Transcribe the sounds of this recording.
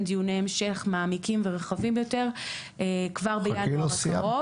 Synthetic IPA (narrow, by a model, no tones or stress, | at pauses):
d̪ijuneemʃeχmaːmikimveʁeχavimjo̞te̞ʁ | ekvaʁbejalosia̰o